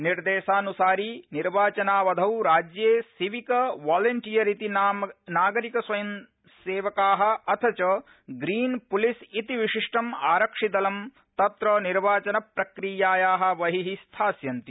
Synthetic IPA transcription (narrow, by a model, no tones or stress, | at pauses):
niɾd̪eːʃaːnusaːɾiniɾʋaːt͡ʃɐnaːʋɐd̪ʱɐwɾaːd͡ʒjeːsiʋikɐʋaːlɐɳʈijɐɾit̪inːnaːɡɐɾikɐsʋɐjɐm | seːʋɐkaːɦɐ̆ɐt̪ʰɐt͡ʃɐ | ɡɾiːnpulisit̪iʋiʂiʂʈɐmaːɾɐkʂid̪ɐlɐm | t̪ɐt̪ɾɐniɾʋaːt͡ʃɐnɐpɾɐkɾijaːjaːɦɐ̆ʋɐɦiɦist̪ʰaːsjɐnt̪i